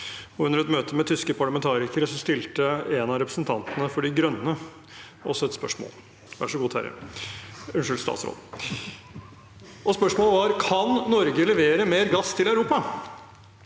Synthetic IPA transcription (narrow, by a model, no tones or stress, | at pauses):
ɔʉndəɾɛt̪møːt̪ʰəmɛt̪ʰʏskəpʰɑɭɑmɛnt̪ʰɑːɾɪkəɾəsɔst̪ɪlt̪əɛnɑɾɛpɾəsnt̪ʰɑnt̪nəfɔɖɪɡɾœnːə | ɔ̰sːɔɛt̪spœʂmo̰ːl | ʋæ̰ʂɔɡuːt̪ʰæ̰ɾə̰ | ʉnʂɪlst̪ɑ̰t̪sɾo̰ːd̪ | ɔspœʂmoːlʋɑɾkʰɑnːɔɾɡəlɛʋeːɾəmeːɾɡɑst̪ʰɪlæʉɾuːpɑ